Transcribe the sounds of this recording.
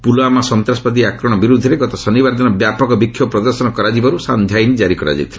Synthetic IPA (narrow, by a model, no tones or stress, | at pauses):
puloamasɔnt̪ɾaspɔd̪iakɾɔɽ̃ɔbiɾud̪ʱɔɾeɡɔt̪ɔsɔnibaɾd̪ʱɔnɔbjapɔkɔbikʰːjɔpɾɔd̪ɔɾsɔnɔkɔɾad͡ʒibaɾusand̪ʱjainid͡ʒaɾikɔɾa̰d͡ʒa̰jt̪ʰila